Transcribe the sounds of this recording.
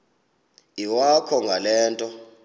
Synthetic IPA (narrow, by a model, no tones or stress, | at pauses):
iwakʰɔŋɡʱalɛːntʼɔ